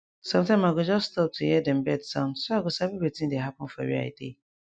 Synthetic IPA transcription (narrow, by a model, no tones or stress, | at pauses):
sɔ̃mtʰãɪmaɡʊd͡ʒɔssːtɔp̚tʰujɛdɛ̃mbɛdsãndsɔaɡʊsabibetʰĩdeɦapʊ̃n̩fa̰ɹḭa̰ɪdḛ